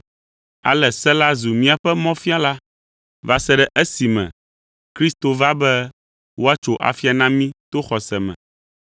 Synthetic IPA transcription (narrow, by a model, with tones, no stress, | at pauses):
a̰˨lɛ˨sɛ˦la˦zu˨mĩ˦a˨ɸɛ˦mɔ̃˦fi˦a˦la˦ | va˨sɛ˦ɖɛ˦ʔɛ˦si˨mɛ̰̃˨ | kɾi˦st̪o˨va˦bɛ˦ | wo˦a˦t͡ʃo˨ʔa̰˨fi˦a˨nã˦mĩ˦t̪o˦xɔ˨sɛ˨mɛ̰̃˨